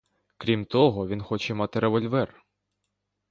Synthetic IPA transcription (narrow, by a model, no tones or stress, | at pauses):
kɾʲimt̪ɔɦɔʋʲinxɔt͡ʃɛmɑt̪ɪɾʔeʋɔlʲʋɛr